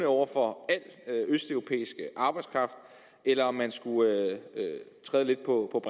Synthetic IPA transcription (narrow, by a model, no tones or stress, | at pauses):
nəɒʊ̰ɐfɒ̽æl̰øøsd̥œʊʁo̝pʰḛːisɡ̥əʔɑ̈ːb̥ɑ̈ɪd̥skʰʁɑ̈fd̥ | elɐɒ̽mːænsɡ̥uøøt͡sʰʁɛːðˠle̝d̥̚pʰɒ̽pʰɒ̽b̥